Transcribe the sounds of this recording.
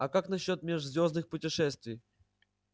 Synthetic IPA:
ɐkakn̪ɐɕːot̪̚mʲeʐzʲvʲo̞znɨxpʊtʲɪʂɛst̪vʲɪj

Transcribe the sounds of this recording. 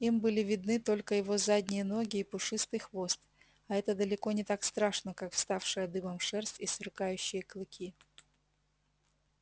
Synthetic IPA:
imbɨlʲɪvʲɪd̪̚nɨt̪o̞lʲkəjɪvo̞zadʲnʲɪjəno̞ɡʲɪːpʊʂɨst̪ɨjxvo̞st̪ | ɐɛt̪əd̪əlʲɪko̞nʲɪt̪akst̪ɾaʂnəkakfst̪afʂɨjəd̪ɨbəmʂɛrsʲt̪ʲisvʲɪrkajʉɕːɪjəklˠɨkʲi

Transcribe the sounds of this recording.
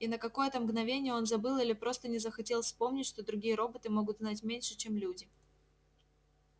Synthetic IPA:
inəkɐko̞jət̪əmɡnɐvʲenʲɪjəo̞nzɐbɨlˠilʲɪpɾo̞st̪ənʲɪzəxɐtʲe̞lˠfʲspo̞mnʲɪtʲʂt̪o̞d̪ɾʊɡʲijəɾo̞bət̪ɨmo̞ɡʊt̪znat̬ʲmʲenʲʂɨt͡ɕemlʲudʲɪ

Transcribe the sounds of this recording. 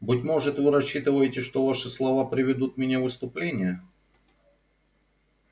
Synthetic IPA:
bɨtʲmo̞ʐɨt̪vɨɾɐɕːit̪ɨvəjɪtʲɪʂt̪ovaʂɨslˠɐvapɾʲɪvʲɪd̪ut̪mʲɪnʲavɨst̪ʊplʲenʲɪjə

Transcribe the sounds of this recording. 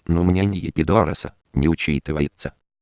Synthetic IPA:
numʲnʲenʲɪjɪpʲɪd̪oɾə̰sə̰ | nʲɪʊt͡ɕit̪ɨvɐjɪt̪sə

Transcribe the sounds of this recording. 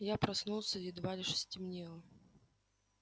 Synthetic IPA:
japɾasnulˠsʲɐɪd̪valʲɪʂɨ̥sʲtʲimnʲɛlˠɐ

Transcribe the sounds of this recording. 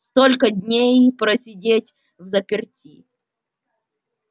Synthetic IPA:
st̪olʲkədʲnʲejpɾəsʲɪdʲetʲ | vzəpʲɪrtʲi

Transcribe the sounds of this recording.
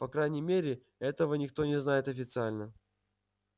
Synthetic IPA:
pɐkɾajnʲɪmʲeɾʲɪ | ɛt̪əvənʲɪk̚t̪o̞nʲɪznajɪt̪ɐfʲɪt̪sɨalʲnə

